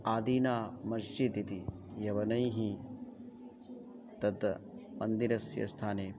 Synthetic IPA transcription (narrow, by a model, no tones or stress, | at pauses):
aːd̪iːnaːmɐsd͡ʒit̪it̪ijɐʋɐnɐjɦi | t̪ɐd̪mɐnd̪iɾɐsjɐ̰st̪ʰaːneː